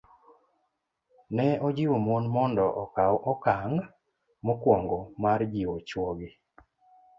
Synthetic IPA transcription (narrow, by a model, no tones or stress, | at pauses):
nɛɔd͡ʒɪwomonmɔndɔʔɔkawʔɔkaŋ | mokwɔŋɡɔmard͡ʒiot͡ʃwoɡe